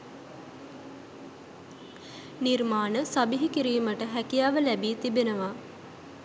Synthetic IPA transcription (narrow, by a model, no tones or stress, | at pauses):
nirmaːnəsabiɦikiɾiːməʈəɦækijaːʋəlæbiːt̪ibenəʋa